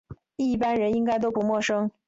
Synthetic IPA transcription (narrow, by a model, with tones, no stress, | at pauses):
i˥˩pa˥nɻə˧˥ni˥ŋka˥ɪt̪̬o˥ʊpu˧˥mwɔ˥˩ʂɤ˥ŋ